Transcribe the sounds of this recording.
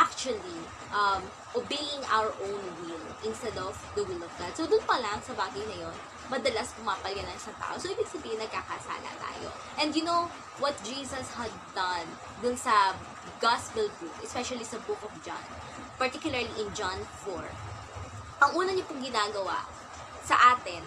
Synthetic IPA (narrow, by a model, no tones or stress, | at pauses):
ʔak̚t͡ʃuɐli | ʔɐm | ʔobejɪ̃ŋʔa̰wəɹʔõwnwɪlʔɪ̃nst̪ɛd̪ɔvd̪ɐwɪlɔvɡad̪̚sod̪ʊnpɐlɐŋsɐbaːɡɐjnɐjon | mɐd̪ɐlaspʊmaːpɐlɡɐnɐnsɐt̪a̰ːʔosoʔɪbɪɡ̥̚sɐbiːhɪnɐɡ̚kakasa̰ːlɐ̰t̪a̰ːjo̰ | ʔɛ̃nd̪jʊnow | wɐt̪̚d͡ʒiːsɐshɐd̪̚ːɐn | d̪ʊnsɐ | ɡaspɛlɡɹup̚ʔɛspɛʃɐlisɐbʊkɔfd͡ʒã̰n | pɐɹt̪ikjʊlɐɹliʔɪ̃nd͡ʒãnfɔɹ | ʔɐŋuːnɐɲopʊŋɡɪnaːɡɐwa̰ʔ | sɐʔaːt̪ɛn